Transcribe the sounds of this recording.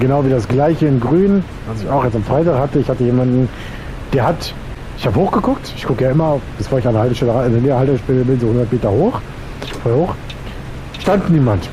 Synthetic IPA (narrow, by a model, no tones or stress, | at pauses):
ɡ̥ənaʊviːdasɡ̥laɪçəɪnɡʁyːn | alsɪçaʊxjɛt͡stamfʁ̥aɪtaːkhatəɪçhatəjeːmandn̩ | d̥eːɐhat | ʔɪçhaːbəhoːxɡ̥əkʰʊk̚tɪçkʰʊkəjaːɪmɐfb̥əfoːɐɪçanɐhaltəʃtɛləaaneneːɐhaltʃtɛləbɪnzoːhʊndɐtmeːtɐhoːx | foːɛhoːx | ʃtantniːmant